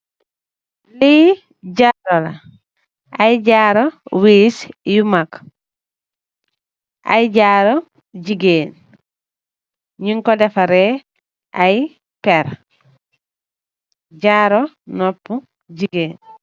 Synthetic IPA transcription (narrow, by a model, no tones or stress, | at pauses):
li | ɟaɾola̰ | ajɟaɾowiːsjumak | a̰jɟaːɾo | ɟiɡeːn | ɲiŋkɔdefaɾe | ʔaj | peɾ | ɟaɾo | nɔpːu | d͡ʒiɡeːn